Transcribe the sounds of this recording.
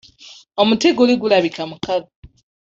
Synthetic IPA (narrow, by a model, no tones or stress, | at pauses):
omuteɡoliɡulaβikamukaði